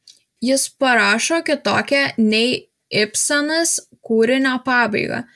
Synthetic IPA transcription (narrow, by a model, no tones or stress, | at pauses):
jɪspɐɾɑːʃoːkʲɪt̪oːkʲɛnʲɛɪ | ɪpsɐnɐskuːɾʲɪnʲoːpɑːbɐ̰ɪɡɐ̰ː